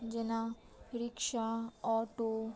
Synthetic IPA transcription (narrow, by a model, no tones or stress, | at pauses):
d͡ʒɪna | ɾɪkʃaɔːʈo